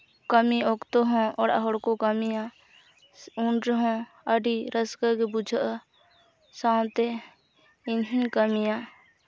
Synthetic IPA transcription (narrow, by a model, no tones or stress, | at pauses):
kəmiokt̪oɦõɔ̰ːɾə̰ɦʊɽkokəmijã | ʊɳɦõ | əɖiɾəskəkebʊd͡ʒʱʔ | sãːt̪e | ɪnɦĩkəmijãː